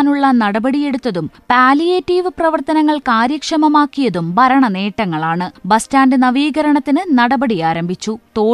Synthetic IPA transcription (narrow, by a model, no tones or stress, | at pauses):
nuɭːɐnɐɽɐbɐɽije̞ɽut̪ːɐðumpaːlijeːtːiːʋɨprɐʋɐrt̪ɐnɐŋːɐɭkaːɾjɐkʂɐmɐmaːkːijɐðumbʱɐɾɐɳɐne̞ːʈːɐŋːɐɭaːɳɨbɐstaːndɨnɐʋiːɣɐɾɐɳɐt̪ːinɨnɐɽɐbɐɽijaːɾɐmbʱit͡ɕːut̪o̞ː